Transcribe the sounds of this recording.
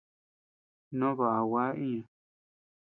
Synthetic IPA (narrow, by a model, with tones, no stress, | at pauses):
nõ˦βa˨a˨wa˦ĩ˦ã˨